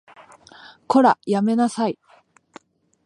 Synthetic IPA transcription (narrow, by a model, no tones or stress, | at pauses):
ko̞ɾajame̞nasai